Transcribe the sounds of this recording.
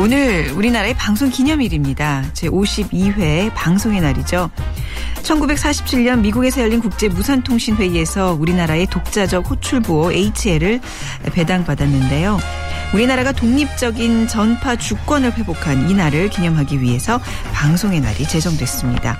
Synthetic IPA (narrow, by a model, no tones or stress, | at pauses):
onɯɾuɾinaɾae̞paŋsʰoŋkiɲʌmiɾimɲidat͡ɕe̞ʔoɕʰibiɸe̞paŋsʰoŋe̞naɾid͡ʑo | t͡ɕʰʌnɡube̞k̚s͈ʰaɕʰi̥p̚t͡ɕʰiɭɲʌnmiɡuɡe̞sʰʌjʌʎːinkuk̚t͡ɕ͈e̞musʰantʰoŋɕʰinɸwe̞ie̞sʰʌuɾinaɾae̞tok̚t͡ɕ͈ad͡ʑʌk̚ɸot͡ɕʰuɭbooʔe̞it͡ɕʰeɾɯɭ | epe̞daŋpadanːɯnde̞jo | uɾinaɾaɡatoŋɲip̚t͡ɕ͈ʌɡint͡ɕʌnpʰat͡ɕuk͈wʌnɯɭɸwe̞bokʰaninaɾɯɭkiɲʌŋɦaɡiɥiɦe̞sʰʌ | paŋsʰoŋe̞na̰ɾit͡ɕe̞sʰʌŋdwe̞s͈ɯmɲida̰